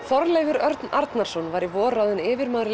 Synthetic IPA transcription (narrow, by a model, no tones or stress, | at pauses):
θɔɾlejvʏɾœɾt̪naɾt̪naɾ̥sɔnvaːɾivɔːɾaðɪnɪːvɪɾmaːðɾɪ